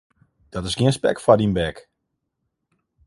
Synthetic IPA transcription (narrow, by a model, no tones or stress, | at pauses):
d̥ɔtɪsɡiənspɛ̰kfadinbɛk